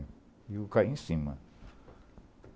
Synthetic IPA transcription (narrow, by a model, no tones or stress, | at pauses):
iukaĩsĩmɐ̰